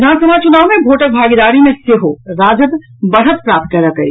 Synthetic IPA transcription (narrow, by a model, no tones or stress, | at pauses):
naːnsɐnat͡ʃʊnaːwmẽbʱoːʈək̚bʱaːɡid̪aːɽimẽseːɦoɾaːd͡ʒət̪ | bəɽ̤ət̪̚pɾaːp̚t̪̚kɐɾɐkəḭ